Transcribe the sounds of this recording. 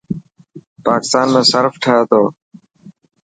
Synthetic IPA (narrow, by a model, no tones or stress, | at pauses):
paːkɪ̥st̪aːnmẽːsəɾfʈʰaɦeːt̪oː